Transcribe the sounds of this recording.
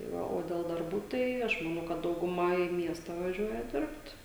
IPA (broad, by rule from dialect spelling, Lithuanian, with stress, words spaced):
tɐɪ ˈʋɐ oː dʲɛlˠ dɐrˈbuː ˈtɐɪ ˈɐʃ mɐˈnɐʊ kɐt dɐʊɡʊˈmɐ iː ˈmʲiɛstɐ ʋɐˈʒʲuɔjɛ ˈdʲɪrpt